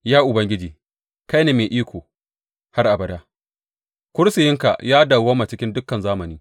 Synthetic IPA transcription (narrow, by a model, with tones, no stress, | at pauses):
jaː˦ʔʊ˨bɐ˦ŋɡʲɪ˦d͡ʒiː˨ | ka˦jneː˨meː˨ʔiː˦kʷoː˨ | ha˦rʔa˨bɐ˨daː˦ | kʷʊ˦ɾsɪ˨jɪ˦ŋka̰˨jaː˦da˨waː˦ma˨t͡ʃɪ˦kʲɪ˦ndʊ˦kːɐ˨nzaː˦mɐ˨niː˦